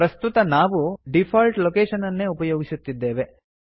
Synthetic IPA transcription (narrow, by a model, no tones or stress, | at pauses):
pɾɐst̪ut̪ɐnaːʋuɖipʰaːlʈlokeːʃɐnɐnːe̞upɐjoːɡisut̪ːid̪ːe̞ːʋe̞